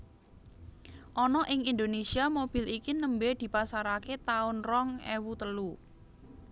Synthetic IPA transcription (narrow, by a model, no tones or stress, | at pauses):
ʔɔnɔʔɪŋind̪onesiamob̥i̤likinəmbed̪̥i̤pasaɾaket̪aʊnrɔŋḛwut̪əlu